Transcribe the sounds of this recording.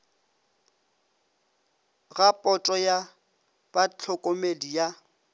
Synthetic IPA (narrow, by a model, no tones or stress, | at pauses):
ɣapʼɔtʼɔja | bat͡ɬʰɔkʼomedija